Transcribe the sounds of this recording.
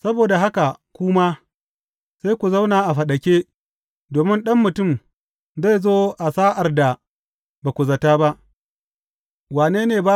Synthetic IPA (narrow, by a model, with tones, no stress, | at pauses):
sɐ˦boː˨da˨ɦa˦ka˨kʷʊ˦ma˦ | sa˦jkʷu˨za˦wnaː˨ʔa˨ɸɐ˨ɗɐ˨kʲeː˦ | doː˨mɪ˦nɗɐ˦mːʊ˨tʊ˦˨m | za˦˨jzoː˦ʔa˨saː˦ʔa˨rda˨ | ba˨kʷʊ˨zɐ˨taː˦ba˦ | waː˨neː˦neː˨baː˦